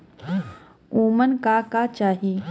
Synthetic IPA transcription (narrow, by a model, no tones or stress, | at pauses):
uːmənkakat͡ʃaːɦi